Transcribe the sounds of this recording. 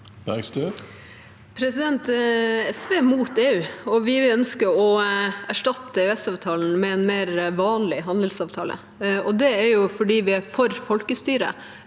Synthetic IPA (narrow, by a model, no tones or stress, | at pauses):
ɛksd̪ʉ | pʰɾɛsɪd̪ɛnt̪ɛsʋeːmuːt̪eːʉːɔʋɪɪœnskəɾɔæʂʈɑt̪ːəɛʉɛst̪ɑːʋt̪ʰɑːln̩mɛɛnmeːɾʋɑːnlɪɦɑnd̪əlsɑːʋt̪ʰɑːlə̰ | ɔd̪ɛæɾjʊfɔɖiːʋɪæɾfɔɾfɔlkəst̪yːɾə̰